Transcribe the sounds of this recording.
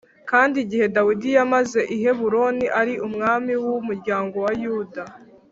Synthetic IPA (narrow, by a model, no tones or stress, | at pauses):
kaːndiɟihe̞dawidijamaze̞ʔiɦe̞βuɾo̞niʔaɾiʔumŋaːmiwumuɾɟaːŋɡo̞wajuda